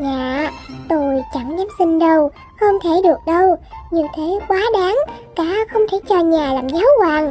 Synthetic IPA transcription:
ɲaː˨˩˨t̪o˧˩jt͡ɕa˧˩ŋɲaː˨˦msï˧ŋ̟ɗə˧w | xə˧wŋ͡mt̪ʰe˧˩ɗɨ˨˩ək̚ɗə˧wɲi˨˩əwt̪ʰe˨˦kwaː˨˦ɗaː˨˦ŋka̰ː˧˥xə˧wŋ͡mt̪ʰe˧˩t͡ɕɔ˧ɲaː˨˩laː˨˩mzaː˨˦wkwaː˨˩ŋ

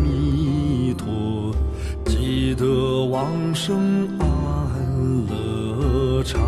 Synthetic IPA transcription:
mi˧t̪ʰɔ˧˩ | t͡ɕi˧˩d̪ə˧˩wɑ˧˥ŋʂɤ˥ŋa˥˩ə˧nlɤ˧˩˧ | ʈ͡ʂʰɑ˧

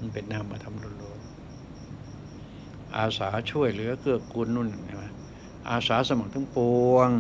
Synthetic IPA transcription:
pe˨nːaː˧˩˨mːaː˧t̪ʰa˧˥mlo˧nloː˧˩ŋ | ʔaː˧saː˩˦t͡ɕʰu˥˩əjlɯ˨˦˧kʰɯ˥˩əkːu˧nːu˧˥˩na˨˩na˧˩wa˧˥˩ | ʔa̰ː˧saː˨˦sa˧ma˨˩k̚t̪ʰɯ˨˦ŋpo˧əŋ

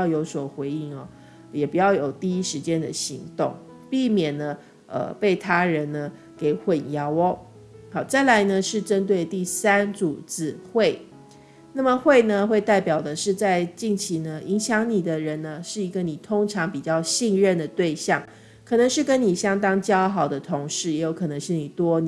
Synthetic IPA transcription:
ʊjo˧˥ʊswɔ˨˩xwe˧˥ɪi˥˩ŋɐ̰˨˩ | jɛ˨˩pu˨˩jɑ˥˩ʊjo˨˩ʊt̪i˥˩i˥ʂɻ̩˧˥t͡ɕjɛ˦˥nd̪ə˨ɕi˧˥ŋt̪ʊ˥˩ŋ | pi˥˩mjɛ˨˩nːə˦ | ə̰˨pe˥˩ɪt̪ʰa˥ɻə˧˦nnə˦ | ke˨˩ɪxwə˨˩njɑ˧˥ʊɔ˦ | hɑ˨˩ʊt͡sa˥˩ɪla˧˦ɪnə˧ʂɻ̩˥˩ʈ͡ʂə˦nt̪we˥˧ɪt̪i˥˩sa˥nt͡su˨˩t͡sɹ̩˨˩xwe˥˩ɪ | na˥˩mə˨xwe˥˩ɪnə˧xwe˥˧ɪt̪a˥˩ɪpjɑ˨˩ʊd̪ə˦ʂɻ̩˥˧t͡sa˥˧ɪt͡ɕi˥˩ŋt͡ɕʰi˧˥nə˧ʔi˧˥ŋɕjɑ˧˥ŋni˨˩d̪ə˦ɻə˧˦nnə˧ʂɻ̩˥˩i˧˥ɡə˨ni˨˩t̪ʰʊ˥ŋʈ͡ʂʰɑ˧˥ŋpi˨˩t͡ɕjɑ˥˧ʊɕi˥˧nɻə˥˩nd̪ə˩t̪we˥˧ɪɕjɑ˥˩ŋ | kʰɤ˨˩nə˧˦ŋʂɻ̩˥˩kə˦˥nni˨˩ɕjɑ˥ŋt̪ɑ˥ŋt͡ɕjɑ˥ʊxɑ˨˩ʊd̪ə˦t̪ʰʊ˧˥ŋʂɻ̩˥˩jɛ˧˥jo˧˥ʊkʰɤ˨˩nə˧˦ŋʂɻ̩˥˩ni˨˩t̪wɔ˦n˨

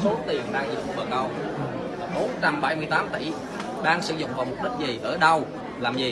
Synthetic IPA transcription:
so˨˦t̪i˨˩ənɗaː˧ŋzḭ˨˧˨m̚˨˩ɓə˨˩k̚ə˨˩w | a˨˩ɓo˨˦nt͡ɕa˧mɓa˧˩jmɨ˧əjt̪aː˨˦mt̪ḭ˧˩ | ɗaː˧ŋsɨ̰˧˦zʊ̰˧˨ŋ͡mvaː˨˩mo˨˩k͡p̚ɗi˦˥t̚zi˨˩ʔəː˧˩ɗə˧w | laː˨˩mzi˨˩

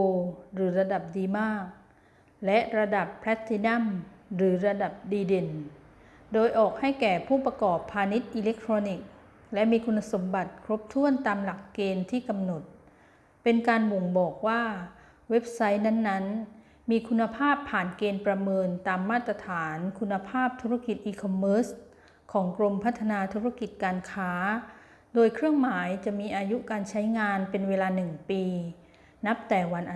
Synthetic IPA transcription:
o˧ɾɯː˩˦ɾa˧da˨˩p̚diː˧maː˥˩k̚ | lɛ˦˥ʔɾa˧da˨˩pʰːɾɛ˦˥t̪ʰːi˧na˥˩mɾɯː˩˦ɾa˧da˨˩p̚diː˧de˨˩n | doː˧jʔɔː˨˩k̚ha˥˩jkɛː˨˩pʰuː˥˩pɾa˧kɔː˨˩pʰːaː˧ni˦˥t̪̚ʔiː˧le˦˥k̚t̪ʰɾoː˧ni˨˩k̚ | lɛ˦˥ʔmiː˧kʰu˧nːa˧so˩˦mba˨˩t̪̚kʰɾo˦˥p̚t̪ʰu˥˩ənt̪aː˧mla˨˩kːeː˧nt̪ʰiː˥˩ka˧mno˨˩t̪̚ | pe˧nkaː˧nwo˨˩ŋbɔː˨˩k̚waː˥˩ | we˦˥p̚sa˦˥jna˦˥nːa˦˥n | miː˧kʰu˧nːa˧pʰaː˥˩pʰːaː˨˩nkeː˧npɾa˧mɤː˧nt̪aː˧mːaː˥˩t̪ːɾa˧t̪ʰaː˩˦nkʰu˧nːa˧pʰaː˥˩p̚t̪ʰu˦˥ɾa˥˩ki˨˩t̪̚ʔiː˧kʰɔ˧mːɤː˦˥s | kʰɔː˩˦ŋkɾo˧mpʰa˦˥t̪ʰːa˧naː˧t̪ʰu˦˥ɾa˥˩ki˨˩t̪̚kaː˧nkʰaː˦˥ | doː˧jkʰɾɯ˥˩əŋmaː˩˦jt͡ɕa˨˩ʔmiː˧ʔaː˧ju˦˥kaː˧nt͡ɕʰa˦˥jŋaː˧npe˧nweː˧laː˧nɯ˨˩ŋpiː˧ | na˦˥p̚t̪ɛː˨˩wa˧nʔa˨˩

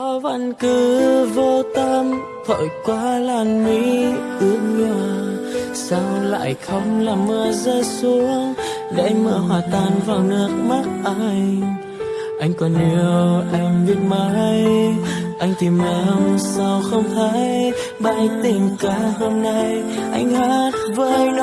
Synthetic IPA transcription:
ɔ˨˦va˧˩nkɨ˧˦vo˧t̪ə˧m | t̪ʰo̰˧˨˩jkwaː˨˧˦laː˨˩nːwi˧˥ʔi˧˦əɲɨ˧˩saː˧wla̰ː˧˨jxə˧wŋ͡mlaː˨˩mːɨ˧˩əzəː˧su˧˦əŋ | ɗa̰˧ʔjŋ̟məː˧˩əɦwaː˨˩t̪aː˧˨˩nvaː˨˩wnɨ˦˥ək̚ma˦˥t̚ʔaː˧jŋ | ʔa˧jŋ̟kɔ˧˩nʔi˧˩əwʔɛ˧mvi˧˥ət̚ma˧˦j | ʔa˧jŋ̟t̪i˧˩mlə˧˦msa˧wxə˧wŋ͡mt̪ʰə˨˧˦j | ɓaː˧jt̪ï˨˩ŋkaː˧˦ho˧mna˧jʔa˧jŋ̟haː˧˦˥t̚vəː˧˦jn

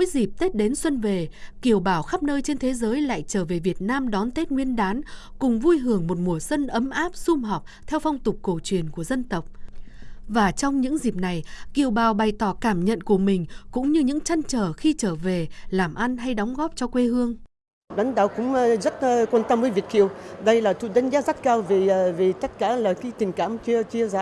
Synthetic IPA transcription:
jzi˨˩p̚t̪e˦˥t̚ɗe˨˦nswə˧nve˨˩ki˨˩əwɓaː˧˩wxaː˦˥p̚nəː˧jt͡ɕe˧nt̪ʰe˨˦zəː˨˦jla̰ː˧˨jt͡ɕəː˧˩ve˨˩vi˨˩ə˩t̚naː˧mɗɔ˨˦nt̪e˦˥t̚ŋwi˧ənɗaː˨˦n | kʊ˨˩ŋ͡mvu˧jɦɨ˧˩əŋmo˨˩t̚mu˨˩əswə˧nʔə˨˦mʔaː˦˥p̚sʊ˧mɦɔ˨˩wk͡p̚t̪ʰɛ˧wfɔ˧wŋ͡mt̪ʊ˨˩k͡p̚ko˧˩t͡ɕwi˨˩ənku˧˩əzə˧nt̪ə˨˩wk͡p̚ | vaː˨˩t͡ɕɔ˧wŋ͡mɲɨ̰˧˥ŋzi˨˩p̚na˨˩jki˨əwɓaː˨˩wɓa˨˩jt̪ɔ˧˩kaː˧˩mɲə̰˧˨nku˧˩əmï˨˩ŋ̟kʊ̰˧˥ŋ͡mɲɨ˧ɲɨ̰˧˥ŋt͡ɕa˧jŋt͡ɕəː˧˩xi˧t͡ɕəː˧˩ve˨˩laː˨˩mʔa˧nɦa˧jɗɔ˨˦wŋ͡mɣɔ˦˥p̚t͡ɕɔ˧kwe˧hɨ˧əŋ | ɗa̰˨˦ŋ̟ɗa̰ː˧˨wkʊ̰˧˥ŋ͡mzə˦˥t̚ːkwaː˧nt̪ə˧mvəː˨˦jvi˨˩ək̚kḭ˧˨əwɗə˧jlaː˨˩t̪ʰu˧˩ɗaə˨˦ŋ̟zaː˨˦˥za˦˥t̚kaː˧wvi˨˩˨vi˨˩t̪ə˦˥t̚kaː˧˩laː˨˩kaː˨˦jt̪ï˨˩ŋ̟ka̰ː˧˩mt͡ɕi˧ət͡ɕi˧əzaː˧˦

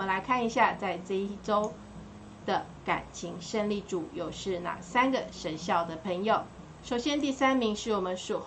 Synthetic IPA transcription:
mə˦nla˨˧˥ɪkʰa˥˩ni˧˥ɕja˥˧t͡sa˥˧ɪt͡se˥i˥ʈ͡ʂo˥ʊ | d̪̥ə˨ | ka̰˨˩nt͡ɕʰi˧˥ŋʂə˥˧nli˥˩ʈ͡ʂu˨˩jo˨˩ʊʂɻ̩˥˩na̰˨˩sa˥nɡə˨ʂə˧˥nɕjɑ˥˩ʊd̪ə˩pʰə˧˥ŋjo˨˩ʊ | ʂo˨˩ʊɕjɛ˥nt̪i˥˩sa˥nmi˧˥ŋʂɻ̩˥˩wɔ˨˩mə˦nʂɔ˨˩

